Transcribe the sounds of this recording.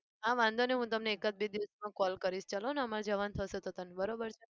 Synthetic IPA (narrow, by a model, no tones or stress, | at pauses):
ɦãʋãnd̪ʱoneɦũt̪əmneːkəd͡ʒ̚bed̪iʋəsmãkɔlkəɾiʃt͡ʃaloneəmaɾd͡ʒəʋant̪ʰəʃet̪ot̪ənebəɾobəɾt͡ʃʰe